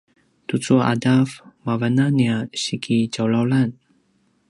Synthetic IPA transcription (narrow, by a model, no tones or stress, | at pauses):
t̪ut͡suaʔa̰dafmavananiaɕikʰid͡ʒawlawlan